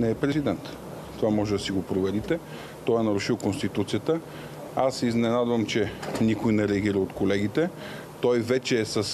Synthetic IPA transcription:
nɛːpɾɛzid̪ɛnt̪ | t̪ovamɔʒɛd̪ɐsiɡopɾovɛd̪it̪ɛ | t̪ɔɛnɐɾuʃilˠkonst̪it̪ut̪sijət̪ə | asɛiznɛnad̪vɐmt͡ʃɛnikojnɛɾɛɐɡʲiɾəot̪kolɛɡit̪ɛ | t̪ɔjvɛt͡ʃɛːsəs

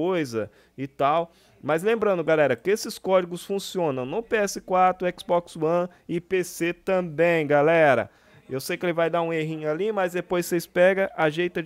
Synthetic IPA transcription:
ojzɐ | ɪt̪aw | mɐzlẽmbɾɐ̃nd̪ʊɡalɛɾɐkɪesɪskɔd͡ʒiɡʊsfũsiõnɐ̃w̃nʊpeɛsɪkwat̪ɾʊɛksbɔkswɐ̃ | ɪpeset̪ɐ̃bẽj̃ɡalɛɾɐ̰ | ewsejkɪelɪvajd̪aũeɦĩɲʊalimɐzd̪epojsseɪspɛɡɐʔaʒejt̪ɐ

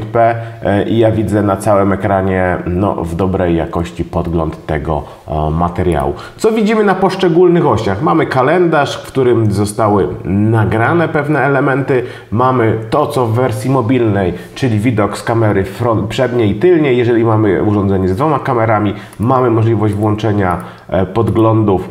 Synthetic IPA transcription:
t̪pɛʔḭjavʲid̪zɛnat̪sawɘmɛkɾaɲɛnɔ̰vd̪ɔbɾɛjːa̰kɔɕt͡ɕipɔd̪ɡlɔnt̪ːɛ̰ɡɔ̰ | mat̪ɛɾja̰wṵ | t̪sɔvʲid͡ʑimɘnapɔʂt͡ʂɛɡulnɘxɔɕaxmamɘkalɛnd̪aʂkfkt̪uɾɘmzɔst̪awɘnaɡɾanɛpɛvn̪ɛːlɛmɛnt̪ɘ | mamɘt̪ɔt̪sɔvːɛɾsʲjimɔbʲilnɛjt͡ʂɘlʲivʲid̪ɔkskamɛɾɘfɾɔnt̪̚pʂɛd̪ɲeit̪ɘlɲejːɛʐɛlʲimamɘ̰uʐɔnd̪zɛɲɛzd̪vɔmakamɛɾamʲi | mamɘmɔʐlʲivɔʑd͡ʑvwɔnt͡ʂɛɲa | pɔd̪ɡlɔnd̪uf

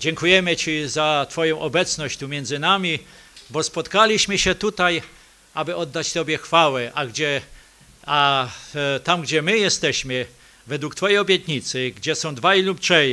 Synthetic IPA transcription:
d͡ʑɛŋkujɛmɘt͡ɕizat̪fɔjɔ̃w̃ʔɔbɛt̪snɔɕt͡ɕt̪umʲjɛnd̪zɘnamʲibɔspɔt̪kalʲiɕmɘɕɛt̪ut̪aj | abɘɔd̪ːat͡ɕt̪ɔbʲjɛxfawɛʔaɡd͡ʑɛ | a | t̪amɡd͡ʑɛmɘjɛst̪ɛɕmɘ | vɛd̪wukt̪fɔjejɔbʲjɛt̪ɲit̪sɘɡd͡ʑɛsɔ̃w̃d̪vajluptʂɛ

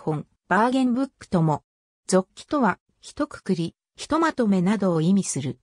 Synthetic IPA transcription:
hõ̞m | b̥aːɡẽ̞mbɯ̟kːɯ̟̥t̪o̞mo̞ | d͡zo̞kʲːi̥t̪o̞βa | çi̥t̪o̞kɯ̥kɯɾʲi | çi̥t̪o̞mat̪o̞me̞nad̪o̞ːimʲisɨɾɯ̟

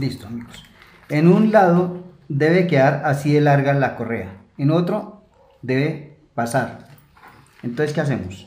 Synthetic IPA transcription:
bist̪oamiɣos | enunlaðo | d̪e̞βekeðaɾasiðelaɾɣalako̞rea | eno̞t̪ɾo | d̪e̞βe̞ | pasaɾ | ent̪onseske̞as̬emos

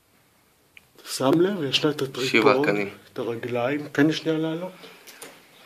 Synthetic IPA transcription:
t̪ʰḁsamlevjaʃnat̪at̪ʁiʃivaoanit̪aʁaɡlaimkaniʃnialalo

